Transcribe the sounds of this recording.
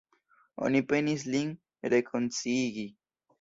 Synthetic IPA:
o̰nipenis̬liŋ | ɾekʰont͡siɣi

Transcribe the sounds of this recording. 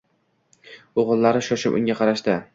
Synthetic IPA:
oʁɨlˠːaɾɪʃɒʃɪpʊ̰ŋʲaqʰɑɾaʃt̪ɪ

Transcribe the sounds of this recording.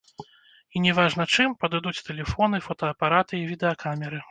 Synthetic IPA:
inʲɛvaʐnɐt͡ʂɨmpɐd̪ɨd̪ut͡sʲt̪ɛlʲɛfɔnɨfɔt̪ɐɐpaɾat̪ɨivʲid̪ɛɐkʰamʲɛɾɨ

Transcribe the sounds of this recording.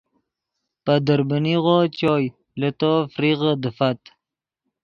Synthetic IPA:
pad̪əɾbəniʁot͡ɕoj | lət̪ofɾiɣəd̪əfat̪

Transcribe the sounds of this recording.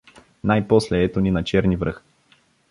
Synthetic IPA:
najpɔslɛɛt̪oninɐt͡ʃɛɾnivɾɤx

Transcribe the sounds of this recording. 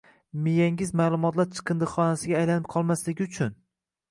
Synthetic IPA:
mɪjaŋɪzmaːlˠʊmɒt̪laɾt͡ʃʰɨ̥qʰɨnd̪ɨχɒnasɪɡʲaːjlanɪp̚qʰɒlˠmaslɪɡʲɪʊt͡ʃʰʊn

